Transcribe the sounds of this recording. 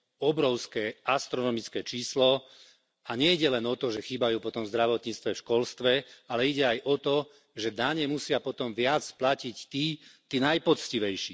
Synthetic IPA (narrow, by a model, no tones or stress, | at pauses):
ɔbɾɔʊskɛːʔast̪ɾɔnɔmit͡skɛːt͡ʃiːslɔ | aɲɛiɟɛlɛnɔt̪ɔʒɛxiːbajuːpɔt̪ɔmzd̪ɾaʋɔt̪ɲiːt͡st̪ʋɛfʃkɔlst̪ʋɛalɛiɟɛajʔɔt̪ɔ | ʒɛd̪aɲɛmusɪapɔt̪ɔmʋɪat͡splacict̪iːt̪iːnajpɔt͡sciʋɛjʃiː